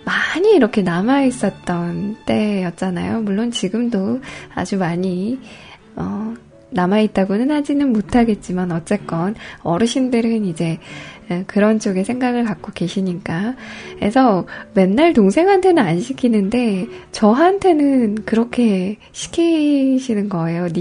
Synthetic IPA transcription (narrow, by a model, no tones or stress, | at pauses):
maɲiːɾʌkʰe̞namais͈ʌt̚t͈ʌnt͈e̞jʌt̚t͡ɕ͈ana̰jomuɭːont͡ɕiɡɯmdoa̰d͡ʑumaɲi | ʌ | namait̚t͈aɡonɯnhad͡ʑinɯnmotʰaɡe̞t̚t͡ɕ͈imanʌt̚t͡ɕ͈e̞k͈ʌnʌɾɯɕʰimdɯɾɯnid͡ʑe̞ | kɯɾʌnt͡ɕ͈oɡe̞sʰe̞ŋɡaɡɯɭkak͈̚oke̞ɕʰiɲik͈ae̞sʰʌme̞nːaɭtoŋsʰe̞ŋɦantʰe̞nɯnanɕʰikʰinɯnde̞t͡ɕʌɦantʰe̞nɯnkɯɾʌkʰe̞ | ɕʰi̥kʰiɕʰinɯnɡʌe̞joni